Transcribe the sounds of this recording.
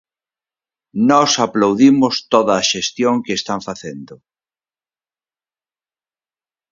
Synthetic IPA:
nɔsaplawðimʊst̪oðɐːʃest̪joŋkeːst̪aɱfaθend̪ʊ

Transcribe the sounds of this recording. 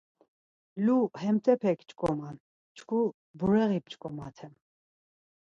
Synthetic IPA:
luhɛmt̪ʰʼɛpʰɛkʰt͡ʃʼkʼɔman | t͡ʃʰkʰu | buɾɛʁipt͡ʃkʼɔma̰t̪ʰɛm

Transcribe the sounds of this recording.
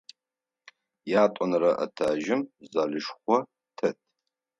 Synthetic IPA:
jaːtʷʼɔnrɐʔɐ̰tʰaːʒɪmzaːɮɨʃχʷɔ | tʰɐtʰ

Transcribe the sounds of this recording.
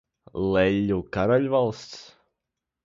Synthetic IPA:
lˠɛʎʲːukaɾaʎʲvalˠst̪s

